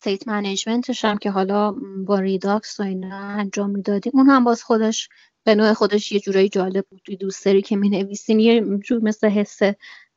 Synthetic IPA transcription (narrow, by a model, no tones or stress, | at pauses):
st̪ejt̪ʰmæned͡ʒme̞nt̪ʰe̞ʃæmcʰe̞ɦɒlɒːbɒːɾid̪ɒksoinɒænd͡ʒɒːmːiːd̪ɒːd̪iunhæmbɒːz̥xo̞d̪eʃ | b̥e̞noːexo̞d̪e̞ʃje̞d͡ʒuːɾɒːjed͡ʒɒːle̞b̚bud̪t̪ʰujed̪ust̪eɾiːcʰe̞mine̞viːsiːmjed͡ʒuːɾme̞sle̞ɦesːe